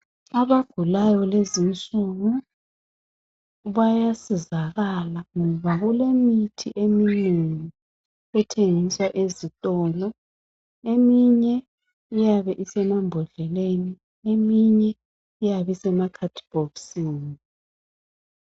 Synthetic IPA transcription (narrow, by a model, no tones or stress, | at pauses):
aβaɡ̥ʱulajɔlezint͡sʼuɣu | βajasizaɣalaŋɔβaɣulemitʰiʔemineŋi | ɛtʰeŋiswaʔezitʼɔːlɔ | emiɲɛ | ijaβɛʔisɛmambʱɔɮɛleni | emiɲɛː | jaβisɛmakʰatʰi̥b̥ʱofsiːni